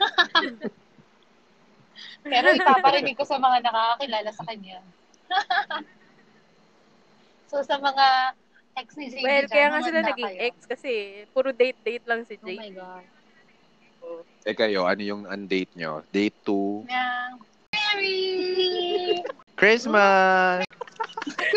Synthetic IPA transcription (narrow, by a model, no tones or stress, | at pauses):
pɛɾoɪpapɐɾɪnɪɡ̚ko̞sɐmɐŋanɐkakakɪlaːlɐsɐkɐɲːa | sosɐmɐŋa | ɛksnɪd͡ʒewɛlkɐjaːŋasɪlanɐɡɪŋʔɛk̚skɐsɛpuɾod̪ejt̪̚d̪ejt̪̚lɐŋsɪd͡ʒej | ʔo | ʔɛkɐjo̞ʔɐnojʊŋɐnd̪ejt̪̚ɲo̰d̪ejt̪ːuja | mɛɹi | kɹɪsma